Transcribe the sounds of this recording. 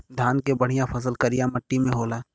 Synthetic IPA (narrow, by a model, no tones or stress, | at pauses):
d̪ʱjaːnkebɐɽ̤ijãpʰɐs̬əlkɐɾijãmɐʈːimẽɦoːlaː